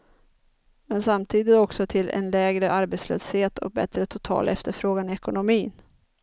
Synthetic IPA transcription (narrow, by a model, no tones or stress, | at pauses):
mɛnsamt̪ʰiːd̪ɪt̪ɔksɔt̪ʰɪlɛ̰nlɛːɡɾəʔaɾbɛt̪slø̰ːsheːt̪ʰɔ̰k̚bɛ̰t̪ɾət̪ʰʊt̪ʰɑ̰ːlʔɛft̪əɾfɾoːɡanɪɛkʊnʊmiːn